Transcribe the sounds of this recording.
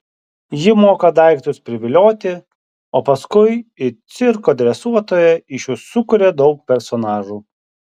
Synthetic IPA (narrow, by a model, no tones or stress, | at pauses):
jɪmoːkɐd̪ɐˑɪkt̪ʲʊspʲɾʲɪʋʲɪlʲoːt̪ʲɪ | oːpɐskʊɪɪt̪sʲɪɾkoːd̪ʲɾʲɛsuɔt̪oːjɛɪʃjʊsʊkʊɾʲeːd̪ɒʊk̚pʲɛɾsɔnɑːʒuː